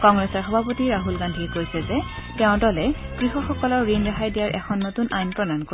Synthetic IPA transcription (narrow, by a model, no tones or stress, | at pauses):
kɔŋɹɛsɔɹxɔbʱapotiɹaɦulɡandʱikojsɛzɛtɛʊ̃tɔlɛkɹixɔxɔkɔlɔɹɹinɹaxajdijaɹʔɛkʰɔnːotunajnpɹɔdanko